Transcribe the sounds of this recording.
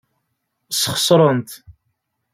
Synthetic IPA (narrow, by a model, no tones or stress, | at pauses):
səχə̥sˤɾˤənt̪